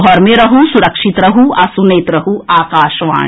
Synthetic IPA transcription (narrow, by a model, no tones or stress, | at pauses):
ɔɾmẽɾɐɦusuɾɐkʃit̪ɾɐɦuʔɐsuneːt̪ɾɐɦuʔaːkaːʃʋã̰ː